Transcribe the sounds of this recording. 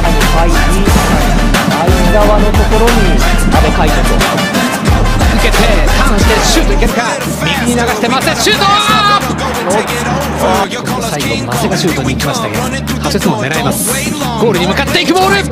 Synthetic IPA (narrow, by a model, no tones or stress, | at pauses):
a | aiia | aiɡaβano̞t̪o̞ko̞ɾo̞ɲ̟it̪abe̞kait̪eɾo | ɯ̟ke̞t̪et̪ʰãɰ̃ɕi̥t̪eɕɨːt̪oikesɨ̥ka | mʲikɯɲ̟inaɡaɕi̥t̪e̞maseɕɨːt̪o | nooːkʲi | o | okʲi̥kot̪ot̪osaikommaseɡaɕɨːt̪oɲ̟iːkʲimaɕi̥t̪aked̪o | haet͡sɨmone̞ɾaimasɨ̥ | ɡ̥o̞ːɾɯ̟ɲ̟imɯ̟kat̪ːe̞ikɯ̟bo̞ːɾɯ̟